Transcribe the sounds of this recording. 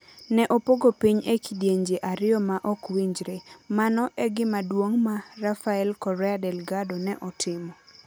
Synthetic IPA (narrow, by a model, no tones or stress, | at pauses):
nɛʔopoɡopiɲekidjeɲd͡ʒeʔaɾɪɔmaʔɔkwiɲd͡ʒɾemanɔʔɛɡɪmadwoŋmarafaɛlkɔɾɛadɛlɡadonɛʔɔtʰɪmɔ